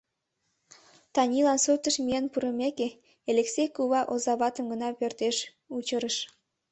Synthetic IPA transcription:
t̪ɑnʲilɑnsut̪əʃmiənpuɾəmeke | eleksejkuβɑʔozɑβɑt̪əmɡənɑpørt̪eʃ | ut͡ɕəɾəʃ

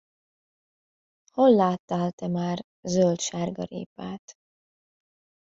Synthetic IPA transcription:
holːaːt̪ːaːlt̪ɛmaːr | zølt̪ʃaːrɡɒ̰ɾḛːpaːt̪

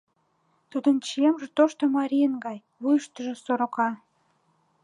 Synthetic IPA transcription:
t̪ud̪ənt͡ɕemʒet̪oʃt̪omɑɾʲijənɡɑj | βujʃt̪əʒĕsoɾokɑ

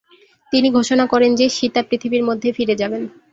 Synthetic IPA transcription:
t̪iniɡʱoʃonakɔɾend͡ʑeʃit̪apɾit̪ʰibiɾmod̪ʱːefiɾed͡ʑaben

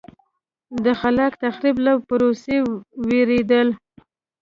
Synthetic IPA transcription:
d̪əxalɑkt̪axɾiblawpʊɾoseweɾed̪əl

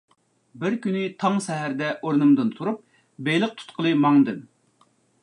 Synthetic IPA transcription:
bɪɾkʲynɪt̪ʰɑŋsɛɦæɾd̪ɛʔoɾnɨmd̪ɨnt̪ʰuɾup̚ | bejlˠəq̚t̪ʰu̥t̪qʰəlˠɨmɑŋd̪ɨm

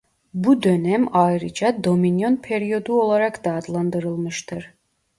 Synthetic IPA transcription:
bud̪ø̞næmajɾɯd͡ʒad̪o̞minjo̞npʰeɾijo̞d̪uo̞lˠaɾakd̪̥aːd̪lˠand̪ɯɾɯlˠmɯʃt̪ʰɯɾ̥

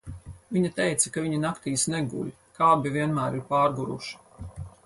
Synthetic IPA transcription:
viɲat̪ɛjt̪sɐkaviɲinakt̪iːsnɛɡṵlʲ | kaːbivʲiɛnmæːɾiɾpaːɾɡuɾṵʃi̥

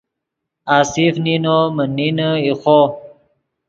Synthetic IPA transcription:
aːsifninomənːinəixo

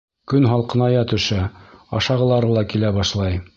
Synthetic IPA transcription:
kɵnɦɑlˠqɤ̆nɑjɑt̪ɵ̆ʃæɑʃɑʁɤ̆lˠɑɾɤlˠɑkilæbɑʃlˠɑj

